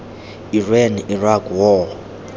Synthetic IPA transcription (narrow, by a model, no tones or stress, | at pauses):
irɛnirakwɔ